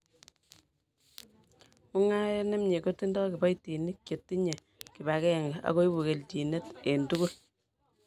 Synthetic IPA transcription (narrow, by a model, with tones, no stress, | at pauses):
u˦ŋa˦jɔ˦ne˦mɲe˨ko˦ti˦ndɔ˦ki˨ba˦jti˨ni˦kje˨tːi˦ɲe˨ | ki˨ba˨kɛ˦a˨ŋɡea̰˦ko˦i˦bu˨ke˨lti˨ne˦te˨ntu˦ku˦l